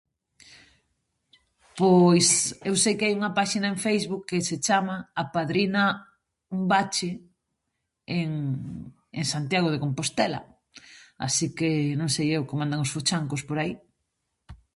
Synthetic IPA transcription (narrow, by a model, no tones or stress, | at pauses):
pojsewsejkɪajuŋɐpaʃinaẽɱfejzβukːeset͡ʃamaːpaðɾinɐ | umbat͡ʃe | eŋ | eŋsant̪jaɣ̞oð̞ekompost̪ɛlɐ̰ | a̰sikenõŋsejewkemand̪aŋosfot͡ʃaŋkospoɾai